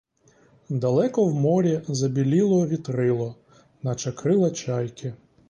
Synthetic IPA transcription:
d̪ɐlˠɛkɔwmɔɾʲizɐbʲilʲilˠɔʋʲit̪ɾɪlˠɔ | nɐt͡ʃɐkɾɪlˠɐt͡ʃɑjkɪ

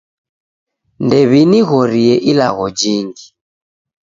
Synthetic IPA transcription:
ndɛβiniɣɔɾiɛʔila̰ɣɔd͡ʒiŋɡi

